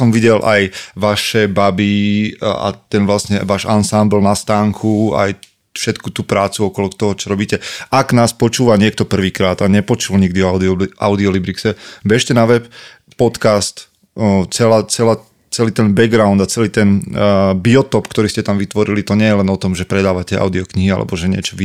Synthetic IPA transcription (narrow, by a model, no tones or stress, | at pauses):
sɔmʋiɟɛlʔa̰jʋaʃɛbabi | a̰t̪ɛnʋlasɲɛʋaːʒansambl̩nast̪aːŋkʰua̰j | fʃɛt̪kut̪uːpɾaːt͡suɔkɔlɔt̪ɔɦɔt͡ʃɔɾɔbiːcɛaɡnaːspɔt͡ʃuːʋaɲɪɛk̚t̪ɔpr̩ʋiːkɾaːd̪aɲɛpɔt͡ʃulɲiɡd̪iɔa̰ʊd̪iɔlibɾiksɛbɛʃcɛnaʋɛp | pɔt̪kast̪ | t͡sɛlaːt͡sɛlaː | t͡sɛliːt̪ɛnbɛɡɡɾaʊnd̪at͡sɛliːt̪ɛnbiɔt̪ɔpkt̪ɔɾiːscɛt̪amʋit̪ʋɔɾilit̪ɔɲɛjɛlɛnɔt̪ɔmʒɛpɾɛd̪aːʋacɛa̰ʊd̪iɔkɲiɦia̰lʔɛ̰bɔʒɛɲɪɛ̰t͡ʃɔʋi